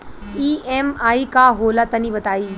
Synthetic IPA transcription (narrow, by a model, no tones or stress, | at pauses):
iːemaːikaɦoːlat̪ɐnibət̪aːiː